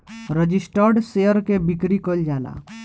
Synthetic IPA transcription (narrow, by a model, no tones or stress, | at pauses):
ɾəd͡ʒisʈəɾɖseəɾkebikɾikəld͡ʒaːla̰